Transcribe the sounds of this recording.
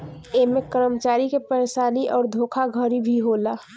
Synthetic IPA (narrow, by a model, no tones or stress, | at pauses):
emekəɾəmət͡ʃaːɾikepəɾeːʃaːniʔɔːɾd̪ʱoːkʰaɡʱəɾibʱiɦola